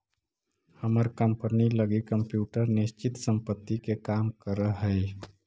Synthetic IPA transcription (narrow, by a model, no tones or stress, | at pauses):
həməɾkəmpəniləɡikəmpjuːʈəɾnist͡ʃɪt̪səmpət̪ːikekamkəɾəɦəj